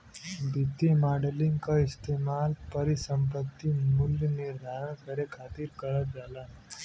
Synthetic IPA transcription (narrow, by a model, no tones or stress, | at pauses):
bʱɪt̪ːimaːɖəlɪ̃ŋɡkaɪst̪eːmaːlpɐɾisə̃mp̬ət̪ːimʊljənɪɾd̪ʱaːɾəñkɐɾekʰaːt̪iɾkɐɾəd͡ʒaːlan